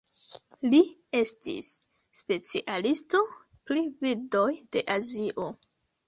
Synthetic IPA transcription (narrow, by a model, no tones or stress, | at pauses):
lie̞stḭsː | pe̞t͡siʔalisto̞ | plivildo̞jd̥e̞ʔaziʔo̞